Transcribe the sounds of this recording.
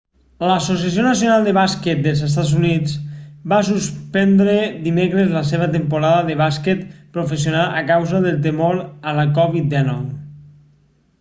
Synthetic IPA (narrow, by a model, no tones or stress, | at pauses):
ləsos̬iasjonəs̬ionalˠd̪əβasket̪̚d̪əlˠzest̪ad͡zunit͡sbasuspɛnd̪ɾed̪imekɾəzləseβ̞ət̪empuɾaðəðəβasket̪pɾofes̬ionaləkawzəðəlˠt̪̬emoɾələkɔβit̪̚d̪ɛnɔw